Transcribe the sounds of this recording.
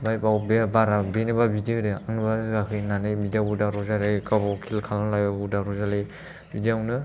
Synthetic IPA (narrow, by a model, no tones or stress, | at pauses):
bajpawbeabaɾabenɯbabidiadɯaŋnɯbaɡakʰɯjnanɯjbidjawudaɾɔzaɾɯkabɔkʰilkʰalanlajbabudaɾɔzale | bidiawnɯ